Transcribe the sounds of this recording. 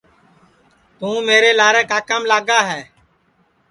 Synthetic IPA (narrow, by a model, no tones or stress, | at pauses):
t̪ũːmeːɾeːlaːɾɛ̃ːkaːkəmlaːɡaːɦɛː